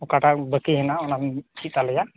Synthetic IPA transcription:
ɔkaʈabəkiɦɛnaɔnant͡ʃʰit̪alɛja

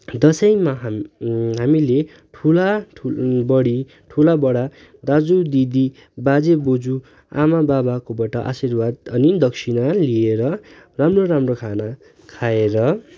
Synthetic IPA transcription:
d̪ʌsʌjmaɦɦamile | ʈʰula | bʌɽi | ʈʰulabʌɽa | d̪ad͡zud̪id̪i | bad͡zebod͡zu | a̰mababakobaʈʌʔa̰sirbad̪ʌnid̪ʌksʰinalieɾʌramroɾamrokʰana | kʰaeɾʌ

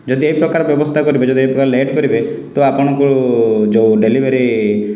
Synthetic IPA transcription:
d͡ʒɔd̪ieɦipɾɔkaɾɔbjɔbɔst̪ʰakɔɾibed͡ʒɔd̪iejpɾɔkaɾleʈkɔɾibe | t̪ɔapɔɽ̃ɔ̃ŋkud͡ʒoɖelibeɾi

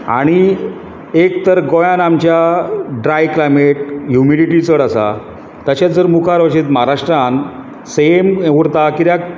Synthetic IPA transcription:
a̰ɽ̃i | ekt̪əɾɡojãnamt͡ɕjaɖɾajklajmeʈ̚jumiɽiʈit͡səɽasa̰ | t̪əɕjat̪̚d͡zəɾmukʰaɾʋəɕit̪məɦaɾaʂʈɾãn | semɦuɽt̪akit̪jak

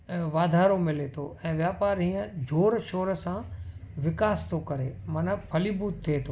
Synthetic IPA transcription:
ʋaːd̪ʱaːɾomɪlet̪ʰoɛ̃ːʋjaːpaːɾɦĩːə̃d͡ʑʱoːɾʃoːɾəsãʋɪkaːst̪ʰokɐɾemɐnə̆pʰɐlibuːt̪ʰːiet̪ʰo

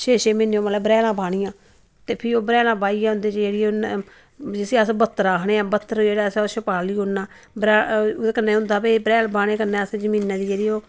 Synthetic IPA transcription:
ʃeːʃeːmeːnːõːməlɛːbɾɛːlãːbaːɽiːãː | t̪eːpʰɪɾoːbəɾɛːlãːbaːiːãːɦʊ̃nd̪eːt͡ʃd͡ʒeːɽioː | d͡ʒɪseːəsbət̪ːəɾaːɽeːãːbət̪ːəɾd͡ʒeːɽaːsoʃəpaːliːɦonːaː | bɾɛːkənːeːɦʊ̃nd̪aːpebɾɛːlbaːɽ̃eːkənːẽːəsed͡ʒəmĩːnãːd̪iːd͡ʒeːɽiːoː

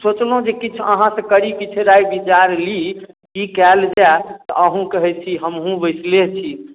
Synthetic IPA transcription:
sot͡ʃlɦũd͡ʒekit͡ʃʰə̰ɦãsẽkəɾikit͡ʃʰeɾajbit͡ʃaɾli | kikɛld͡ʒɛt̪ɔʔəɦũkəɦɛt͡ʃʰiɦəmɦũbəjslet͡ʃʰi

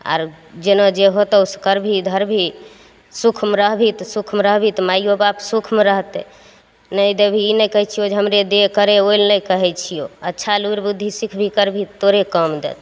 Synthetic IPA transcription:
a̰ɾ | d͡ʒenɔd͡ʒeɦot̪ɔuskəɾbʱid̪ʱəɾbʱi | sukʰmɾəɦbʱit̪sukʰmɾəɦbʱit̪majjobapsukʰmɾəɦt̪ɛ | nəjd̪ebʱiinəjkəɦɛt͡ʃʰijod͡ʒeɦəmɾed̪ekəɾeojlnəkəɦɛt͡ʃʰijoətːʃʰaluɾbud̪ʱːisikʰbʱikəɾbʱioɾekəmd̪ḛt̪

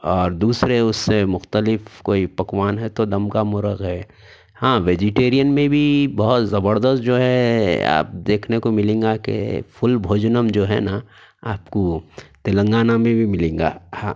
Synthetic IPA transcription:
ɔːɾd̪uːsɾeʊsːemʊxt̪əlɪfkoːipɐkwaːnɦɛt̪od̪ɐmkamʊɾəɣɦɛː | hãːʋeːd͡ʒɪʈeːɾijənmẽbʱibɐɦʊt̪zɐbəɾd̪əst̪̚d͡ʒoːɦɛa̰ːp̚d̪eːkʰnekomɪlẽːŋɡakḛfʰʊlbʱoːd͡ʒnəmd͡ʒoːɦɛ̰na | aːpkot̪ɪlə̃ŋɡaːnamẽbʱimɪlẽːŋɡa̰ːhãː

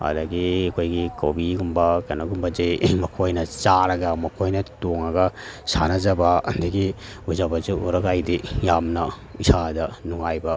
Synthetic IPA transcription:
ɐ̰dɐɡiɐkʰojɡikowbiɡumbɐkɐnɐɡumbɐd͡ʒejmɐkʰojnɐt͡ʃaɾɐɡɐmɐkʰojnɐtoŋɐɡɐsa̰nɐd͡ʒɐbɐɐndɐɡiuzabɐzuʔuɾɐɡajdijamnɐ | isadɐnuŋajbɐ

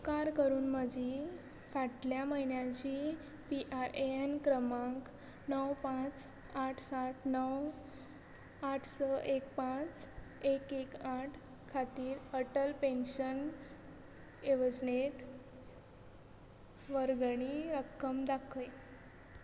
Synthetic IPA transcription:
kaɾkəɾuːnməd͡ʑʱi | faʈljaməɦinjat͡ɕiː | piʔaɾeenkɾəmãŋk | nəwpãt͡s | aʈʰsaʈʰnəw | aʈʰsəʔekpãt͡sekekaʈʰ | kʰat̪iːɾəʈəlpenɕən | eʋəd͡znet̪ | ʋəɾɡɳ̃iɾəkʰːəmd̪akʰəj

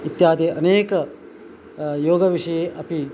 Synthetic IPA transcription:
it̪jaːd̪eʔɐneːkɐ | joːɡɐʋiʂɐjeːʔɐpi

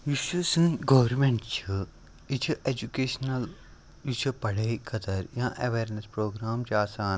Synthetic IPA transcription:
jiʃusɨ̃ːɡoʋɾmẽɳʈt͡ʃʰi | it͡ʃʰiʔed͡ʒukeːʃnɐl | jit͡ʃʰɨpɐɽeːkʰɐt̪ɐɾjãːʔɐ̰ʋeːɾnɐspɾoːɡɾaːmt͡ʃaːsaːn

